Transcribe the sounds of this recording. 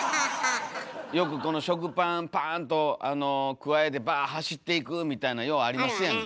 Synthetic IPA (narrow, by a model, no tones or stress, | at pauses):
jo̞kɯ̟ko̞no̞ɕo̞k̬ɯ̟pãpãnt̪o̞ano̞kɯ̟ae̞t̪̬e̞baːɦaɕit̪ːe̞ikɯ̟mʲit̪ainajo̞ːaɾʲimasɨjãŋ